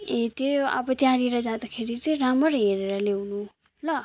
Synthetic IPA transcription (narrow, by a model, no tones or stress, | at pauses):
et̪ea̰bʌt̪jaɾiɾʌd͡zãd̪akʰeɾit͡siɾamʌɾɦeɾeɾalewnu | lʌ